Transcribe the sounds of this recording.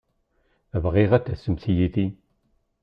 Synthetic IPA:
əvʁiʁat̪ːæsəmθijiθi

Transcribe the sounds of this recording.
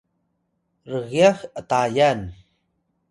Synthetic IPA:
rəɣiaxətajan

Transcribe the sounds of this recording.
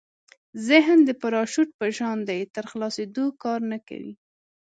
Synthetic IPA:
zɪɦnd̪əpaɾɑʃuʈ̚pəʒɑnd̪ajt̪əɾxlɑsed̪okɑɾnəka̰wḭ

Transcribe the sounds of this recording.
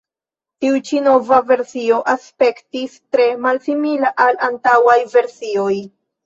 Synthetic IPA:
tiut͡ʃino̞vave̞ɾsio̞ʔaspe̞ktistɾe̞malsimilaʔalantawajve̞ɾsio̞j

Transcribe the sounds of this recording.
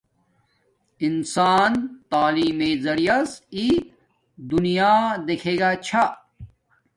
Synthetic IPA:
insaːnt̪aːliːmeːzɐɽijɐsi | d̪unijaːd̪ekʰeːɡaːt͡ɕʰa

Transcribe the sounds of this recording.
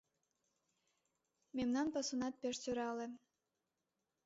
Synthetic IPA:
memnɑnpɑsunɑt̪̚peʃt͡søɾɑlĕ

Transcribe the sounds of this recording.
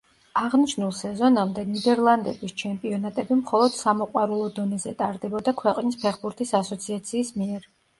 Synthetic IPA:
aʁniʃnulˠsɛzɔnamd̪ɛnid̪ɛɾlˠand̪ɛbist͡ʃʰɛmpʼiɔnat̪ʼɛbimχɔlˠɔd̪̥samɔqʼwaɾulˠɔd̪ɔnɛzɛt̪ʼaɾd̪ɛbɔd̪akʰwɛqʼnispʰɛχbuɾt̪ʰisasɔt̪sʰiat̪sʰiːsmiɛɾ

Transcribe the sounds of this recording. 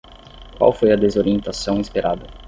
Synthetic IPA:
kwa̰wfojɐd̪ezoɾiẽnt̪asɐ̃w̃ispeɾʔa̰d̪ɐ

